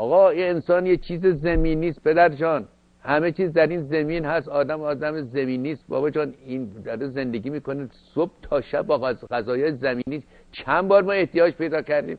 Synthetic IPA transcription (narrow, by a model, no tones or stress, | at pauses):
ʔɒːɣɒːiensɒːnjet͡ʃʰiːzezæmiːniːst̪̚pʰed̪æɾd͡ʒɒːn | hæmet͡ʃʰiːzd̪æɾiːnzæmiːnhæsɒːd̪æmɒːd̪æmezemiːniːst̪bɒ̰ːbɒːd͡ʒɒːniːnd̪ɒɾeze̞nd̪eɡiːmiːkonesob̥̚t̪ʰɒːʃæbːɒːæɣæzɒːjɒːjezæmiːniːs | t͡ʃʰænbɒːɾmɒːe̞ht̪ijɒːd͡ʒpʰe̞jd̪ɒːcʰæɾd̪ḭːm